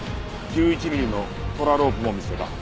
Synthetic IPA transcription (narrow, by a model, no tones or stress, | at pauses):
kʲɨːit͡ɕimʲiɾʲino̞ | t̪o̞ɾaɾo̞ːpɯ̟mo̞mʲise̞b̪a̰